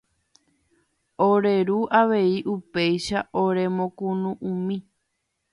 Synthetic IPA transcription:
oɾe̞ɾuʔaʋe̞iʔupe̞jʃaʔoɾe̞mõkũnũʔũmĩ

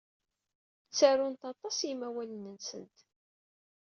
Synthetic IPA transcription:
t͡sːaɾʊnt̪ɑt̪ˤɑsjimæwælənənsənt̪

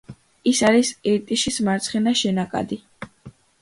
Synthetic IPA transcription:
isaɾisiɾt̪ʼiʃismaɾt̪sʰχɛnaʃɛnakʼa̰d̪i

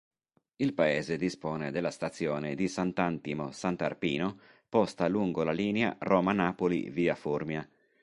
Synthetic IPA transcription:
ilpaeːzed̪ispɔːned̪elːast̪at̪sːjɔːned̪isant̪ant̪imosant̪a̰rpiːno | pɔst̪aluŋɡolaliːnea̰rɔːmanaːpolḭviːaformja

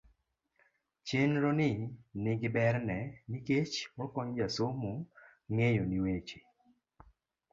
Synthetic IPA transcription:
t͡ʃenɾonɪnɪɡɪbɛɾnɛniket͡ʃwɔkɔɲd͡ʒasomu | ŋejoniwet͡ʃi̥

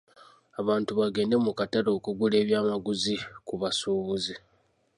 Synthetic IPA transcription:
aβaːntuβaɡe̞ːnde̞mukataɾo̞ːkuɡule̞ːβjaːmaɡuzikuβasuːβuzi

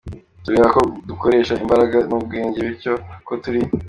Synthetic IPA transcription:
tuɾeːβakoduko̞ɾe̞ːʃaimbaɾaɡanub̚ɡeːɲɟe̞βiɾco̞kotuɾi

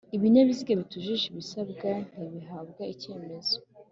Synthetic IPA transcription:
iβiɲaβiziɡeβituʒiʒiβisabɡan̥iβiɦabɡaice̞ːme̞zo

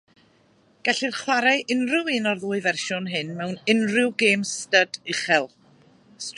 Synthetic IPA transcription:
ɡ̥aɬirχwaɾajʔɪnrɪwɪnɔrðʊːɨvɛrʃɔnɦɨnmɛwnɪnrɪwɡeːmstədɪχɛlˠ | st

